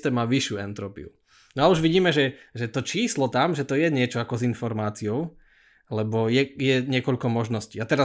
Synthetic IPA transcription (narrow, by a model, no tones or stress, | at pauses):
t̪ɛːmaʋiʃjuːɛnt̪ɾɔpḭṵ | nɔauʒʋiɟiːmɛʒɛʒɛt̪ɔt͡ʃiːslɔt̪amʒɛt̪ɔjɛɲɪɛt͡ʃɔakɔzinfɔɾmaːt͡siɔʊ | lɛbɔjɛjɛɲɪɛkɔʎkɔmɔʒnɔsciːat̪ɛɾa